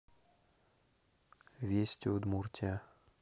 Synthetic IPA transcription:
vʲesʲtʲod̪murtʲa

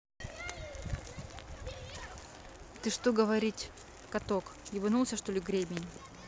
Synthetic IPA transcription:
t̪ɨʂt̪oɡəvɐɾʲitʲ | kɐt̪okjʲibɨnulˠsʲəʂt̪olʲɪɡɾʲebʲɪnʲ

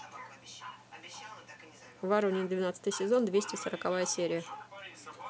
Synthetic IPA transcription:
vɐɾonʲɪnd̪vʲɪnat̪sət̪ɨjsʲɪzo̞nd̪vʲesʲtʲɪsəɾəkavajəsʲeɾʲɪjə

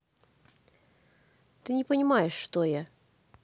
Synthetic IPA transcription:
t̪ɨnʲɪpənʲɪmajɪʂːt̪oja

